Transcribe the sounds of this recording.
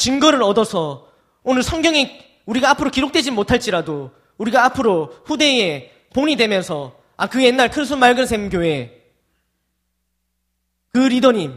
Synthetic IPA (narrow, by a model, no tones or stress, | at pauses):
t͡ɕinɡʌɾɯɾʌdʌsʰʌ | onɯɭsʰʌŋɡjʌŋe | uɾiɡaːpʰɯɾokiɾok̚t͈ed͡ʑimotʰaɭt͡ɕ͈iɾado | uɾiɡaːpʰɯɾoɸude̞e | poɲidwe̞mjʌnsʰʌ | akɯje̞nːaɭkʰɯnsʰunmaɭɡɯns̬ʰemk̬joɦe̞ | kɯɾidoɲim